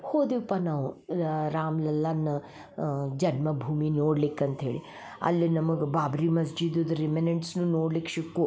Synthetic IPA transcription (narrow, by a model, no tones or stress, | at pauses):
hoːd̪iʋpɐnɐuɾaːmlɐlːanɐ | d͡ʒɐnmɐbʱuːminoːɽlikːɐnt̪ʰḛɽi | ɐ̰lːinɐmɐɡbaːbɾimɐsd͡ʒid̪ud̪ɾimeneɳʈsnunoːɽlikʃikːo